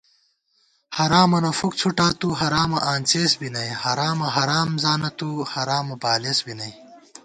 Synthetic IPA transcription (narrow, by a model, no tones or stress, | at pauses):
hɐɾaːmɐnɐfukt͡sʰuʈaːt̪uːɦɐɾaːmɐʔaːnt͡ɕeːsbinɐjhɐɾaːmɐɦɐɾaːmzaːnɐt̪uːhɐɾaːmɐbaːleːsbinɐj